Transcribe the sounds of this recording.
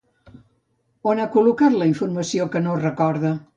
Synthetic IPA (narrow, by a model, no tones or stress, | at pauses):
onakulukat̪ləiɱfuɾməsiokənorəkɔɾðə